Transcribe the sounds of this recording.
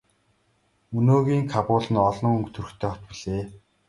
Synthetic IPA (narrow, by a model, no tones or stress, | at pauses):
ɵnoːɣʲiːŋkʰapʊːɮɘ̆nɔɮɞ̆ŋɵŋkt̪ʰɵrɵ̆xt̪ʰeːχʊt͡ɕpiɮ̥eː